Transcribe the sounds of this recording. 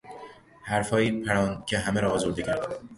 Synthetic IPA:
hæɾfɒːjiːpʰæɾɒːncʰʲeɦæmeɾɒːzoɾd̪ecʰæɾd̪

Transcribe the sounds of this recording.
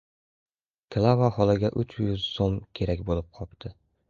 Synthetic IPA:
kʰlˠavahɒlˠɪɡʲaʔʊt͡ʃjʊzsomkʲʰe̞ɾakʲbolˠɪp̚qʰɒpt̪ʰɪ

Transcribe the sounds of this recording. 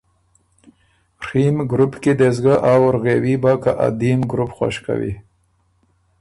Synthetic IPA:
ɾimɡɾupked̪ezɡaʔawɾɣewibakaʔa̰d̪imɡɾupxwa̰ʃka̰wḭ

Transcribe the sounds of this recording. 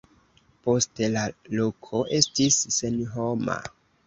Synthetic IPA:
po̞stelalo̞kʰo̞ʔe̞stisːenɦo̞ma̰

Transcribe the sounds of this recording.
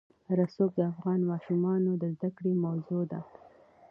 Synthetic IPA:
ɾasok̚d̪əafɣɑnmɑʃumɑnod̪əzd̪akɽemawzod̪a

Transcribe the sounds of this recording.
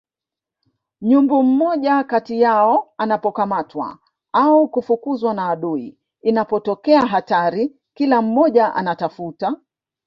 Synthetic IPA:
ɲumbum̩mɔʄakatijaɔanapɔkamatwa̰ | aukufukuzwanaːɗuḭ | inapɔtɔkɛaɦataɾi | kilam̩mɔʄaʔa̰natafuta

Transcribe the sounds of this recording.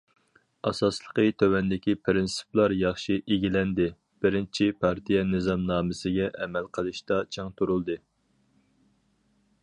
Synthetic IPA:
ɑsɑslˠəqət̪ʰøwɛnd̪ɪkʲipʰɾɪnsɨ̥plˠɑɾjɑχʃiʔeɡʲilɛnd̪ɪ | b̥ɪɾɪnt͡ʃʰipʰɑɾt̪ʰijɛnɨzɑmnɑːmɨsɪɡʲɛʔɛmɛlqʰəlˠɨʃt̪ɑt͡ʃʰɛŋt̪ʰuɾulˠd̪ɨ

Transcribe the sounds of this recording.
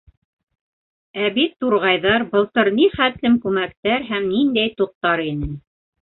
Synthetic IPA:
æbit̪ːuɾʁɑjðɑɾbɤ̆lˠt̪ɤɾniχæt̪lɘmkʉmækt̪æɾɦæmnind̪æjt̪uq̚t̪ɑɾinɘn

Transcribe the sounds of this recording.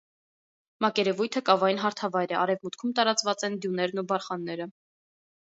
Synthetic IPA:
mɑkɛɾɛvujt̪ʰəkɑvɑjinɦɑɾt̪ʰɑvɑjɾɛɑɾɛvmut̪kʰumt̪ɑɾɑt͡svɑt͡sɛnd̪junɛɾnubɑɾχɑnːɛɾə

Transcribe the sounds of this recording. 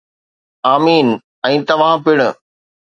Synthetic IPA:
aːmiːn | ɛ̃ːt̪ɐʋ̤ãpɪɽ̃

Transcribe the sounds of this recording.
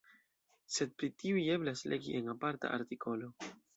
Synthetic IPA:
se̞d̚pɾitiuie̞blaslʔe̞ɡḭʔe̞napaɾta̰ʔa̰ɾtikʰo̞lo̞

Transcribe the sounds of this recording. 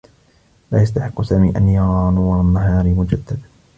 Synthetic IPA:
laːjast̪aħɪqːʊsaːmiːʔanjɑɾˤɑnuːˤanːaɦɑːɾmʊd͡ʒad̪ːad̪

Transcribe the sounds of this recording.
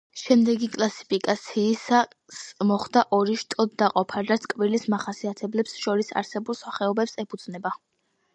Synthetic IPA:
ʃɛmd̪ɛɡikʼlˠasi̥pʰikʼat̪sʰiːsa | smɔχd̪aʔɔɾiʃt̪ʼɔd̪d̪aqʼɔpʰaɾat̪sʰkʼvilismaχasiat̪ʰɛblɛpsʃɔɾisa̰ɾsɛbulˠsaχɛɔbɛpsɛpʰud̪z̥nɛba

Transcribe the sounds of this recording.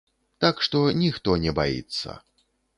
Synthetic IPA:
t̪akʂt̪ɔnʲixt̪ɔnʲɛbajḭt̪sːɐ̰

